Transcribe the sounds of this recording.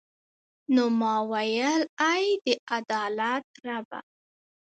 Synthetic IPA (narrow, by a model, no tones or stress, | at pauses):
nomɑwajəlajd̪əad̪ɑlat̪ɾaba̰